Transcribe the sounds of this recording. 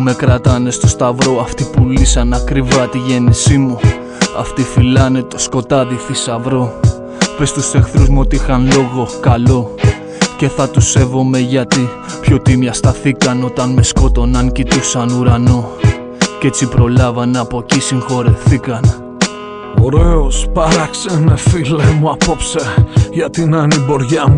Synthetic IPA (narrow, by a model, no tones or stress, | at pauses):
me̞kɾɐt̪ɐne̞st̪o̞st̪ɐvɾo̞ɐft̪ipulisɐnɐkɾivɐt̪iʝe̞nisimu | ɐ̰ft̪ifilɐne̞t̪osko̞t̪ɐðiθisɐvɾo̞ | pe̞st̪use̞xθɾuzmuo̞t̪iixɐnlo̞ɣo̞kɐlo̞ | ce̞θɐt̪use̞vo̞me̞ʝɐt̪i | pço̞t̪imjɐst̪ɐθikɐno̞t̪ɐnme̞sko̞t̪o̞nɐŋcit̪usɐnuɾɐno | ce̞t͡sipɾo̞lɐvɐnɐpo̞cisiŋxo̞ɾefθikɐn | o̞ɾeospɐɾɐksenefilemuɐpo̞pseʝɐt̪inɐnibo̞ɾʝɐmu